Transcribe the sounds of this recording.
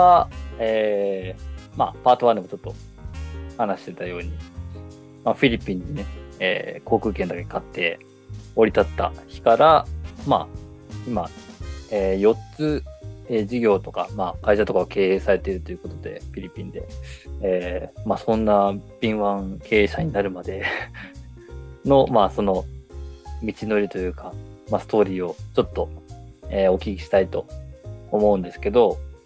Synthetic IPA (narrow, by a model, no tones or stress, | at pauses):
ae | ma̰paːt̪oβãnd̪ɯmot͡ɕo̞t̪ːo̞ | hanaɕi̥t̪e̞t̪ajo̞ːɲ̟i | maɸʲiɾʲipʲːĩɲ̟ːine̞ḛːko̞ːkɯ̟ːkend̪ake̞kat̪ːe̞ | o̞ɾit̪at̪ːa̰çi̥kaɾama̰ | ima | eːjo̞tt͡sɨeʑiɡʲo̞ːt̪o̞kamaːkaiɕat̪o̞kaɡake̞ːeːsaɾe̞t̪e̞iɾɯ̟t̪o̞jɯ̟ko̞t̪o̞d̪e̞̰pʲiɾʲipʲĩnd̪e̞eːmasõ̞nːabʲĩɰ̃βãŋkʰe̞ːɕaɲ̟inaɾɯ̟mad̪e̞ | no̞maso̞no̞ | mʲit͡ɕino̞ɾʲit̪o̞jɯ̟ːkamasɨ̥t̪o̞ːɾʲiːo̞t͡ɕo̞t̪ːo̞eːo̞kʲikʲi̥ɕi̥t̪ait̪o̞ː | mo̞ɯ̟̃nd̪e̞sɨ̥ke̞d̪o̞